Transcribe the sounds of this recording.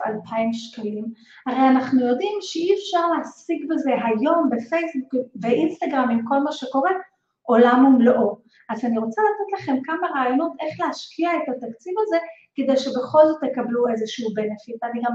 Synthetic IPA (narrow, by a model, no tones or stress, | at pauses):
a̰lpʰaimʃkalim | haʁejanaχnujo̞dimʃeiefʃaʁleɦasiɡbeze̞ɦajo̞mbe̞fe̞jsbukveʔinst̪aɡʁamimko̞lmaʃeko̞ʁe̞ | ʔo̞lamumloʔo | ʔazaniʁo̞t͡salat̪et̪laχe̞mkamaʁaːjo̞no̞tʔe̞χleaʃkʰiaetat̪akt͡sivaze̞ked̪ejʃe̞be̞χo̞lzo̞t̪jekabluezeʃuubenefitaniɡam